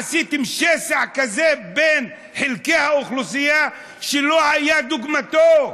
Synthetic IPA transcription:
asit̪imʃesaʕkazeben | ħelkehauχlus̬ija | ʃelohajad̪uɡmat̪o

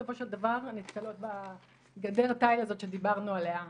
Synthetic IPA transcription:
ofo̞ʃeld̪avaʁnit̪kalo̞t̪̚ba | ɡad̪e̞ʁtajlazo̞t̪ʃe̞d̪ibaʁnuale̞a

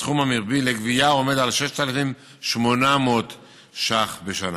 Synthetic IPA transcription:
χumamiʁbileɡvijaome̞d̪alʃeʃt̪alafim | ʃmonamot̪ | ʃaχbeʃana

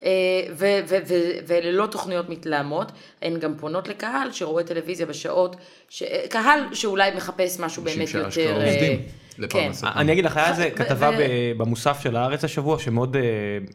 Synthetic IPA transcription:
evevevevelelo̞to̞χnijo̞tmitlaːmo̞t | ḛnɡampono̞tle̞kaɦalʃeʁoete̞le̞vizjabeʃa̰ʔo̞t | ʃekaɦalʃeulajme̞χape̞smaʃube̞eːmetjoeʁ | ken̰a̰niaɡidlaχajaazekatavabebemusafʃelaaʁet͡saʃavuaʃemeo̞de

